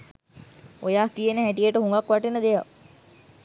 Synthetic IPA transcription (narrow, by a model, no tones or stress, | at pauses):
ojaːkijenəɦæʈijeʈəɦuŋɡakʋaʈenəd̪eja